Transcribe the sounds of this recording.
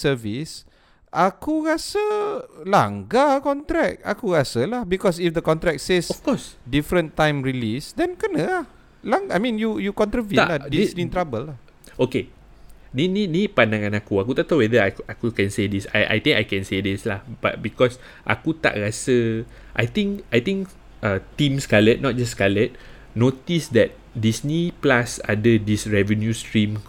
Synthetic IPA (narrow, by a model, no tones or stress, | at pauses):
səvis | ʔakuɾasəla̰ŋɡakɔnt̪ɾɛk̚a̰kuɹasəlahbikɔs̬ifdəkɔ̃nt̪ɾɛk̚sesɔfkɔsdifɾə̃nt̪ãjmɹilisdɛ̃nkənəlah | laŋɡajmĩnjujukɔ̃nt̪ɾəvĩladisnĩt̪ɾabəlah | oke | nininit̚pandãŋãnakuakut̪aʔt̪owɛðəaakukɛ̃nsedisa̰jʔa̰jt̪ĩŋkajkɛ̃nsedislahb̥a̰t̚bikɔs | ʔa̰kut̪a̰ʔɹasə | ʔa̰jt̪ĩŋkajt̪ĩŋk | at̪ĩmskalət̚nɔt̚d͡ʒaskalət̪̚ | not̪isdɛt̚ | disniplasa̰dədisɹɛvə̃njustɹĩm